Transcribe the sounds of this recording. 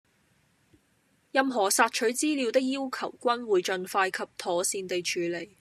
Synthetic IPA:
jɐ˨˧mɦɔː˨˩saː˨t̚t͡ʃʰɵ˨˥ɥt͡siː˥liː˨˧wt̪ɪ˥k̬̚jiː˥wkʰɐ˨˩wkʷɐ˥nwuː˨˧jt͡ʃɵ˨nfaː˧jkʰɐ˨p̚t̪ʰɔː˨˥siː˧nt̪e˨jt͡ʃʰyː˨˧le˨˩j

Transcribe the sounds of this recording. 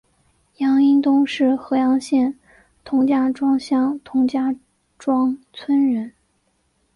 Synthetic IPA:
jɑ˧˥ŋi˥nt̪ʊ˥ŋʂɻ̩˥˩xɤ˧˥jɑ˧˥ŋɕjɛ˥˩n | t̪ʰʊ˧˥ŋt͡ɕja˥ʈ͡ʂwɑ˥ŋɕjɑ˥ŋt̪ʰʊ˧˥ŋt͡ɕja˥ | ʈ͡ʂwɑ˥ŋt͡sʰwə˥nɻə˧˥n

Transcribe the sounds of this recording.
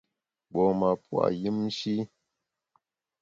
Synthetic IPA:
bɔ˨ma˨pwa̰˨ji˦m̩˦ʃi˦

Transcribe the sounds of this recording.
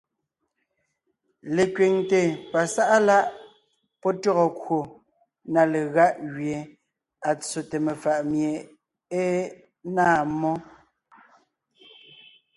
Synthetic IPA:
le˨kɥe˨ŋte˨pa˨sa˦ʔa˦la˦ʔ | pɔ˦tɔ˦ɣɔ˨ko˨ | na˨le˨ɣa˦ʔɣɥje˨ | a˨t͡so˨te˨me˨fa˨ʔmje˨ | e˦ | naː˦˨mːɔ˦

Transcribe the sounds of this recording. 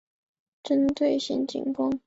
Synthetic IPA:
ʈ͡ʂə˥nt̪we˥˩ɪɕḭ˧˥ŋt͡ɕḭ˧˥ŋkɑ˥˩ŋ

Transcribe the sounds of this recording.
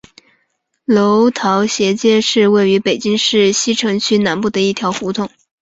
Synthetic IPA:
lo˧˥ʊt̪ʰɑ˧˥ʊɕjɛ˧˥t͡ɕjɛ˥˧ʂɻ̩˥˧we˥˩ɪy˧˥pe˨˩ɪt͡ɕi˥ŋʂɻ̩˥˩ɕi˥ʈ͡ʂʰɤ˧˥ŋt͡ɕʰy˥na˧˥npu˥˩d̪ə˩i˥˩t̪ʰjɑ˧˥ʊxu˧˥t̪ʰʊ˨˩˦ŋ

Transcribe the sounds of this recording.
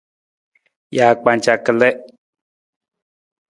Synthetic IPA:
ja˨k͡pa˨nt͡ʃa˨kə˨lɛ˦

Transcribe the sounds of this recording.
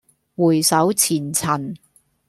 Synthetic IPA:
wuː˨˩jsɐ˨˥wt͡sʰiː˨˩nt͡sʰɐ˨˩n

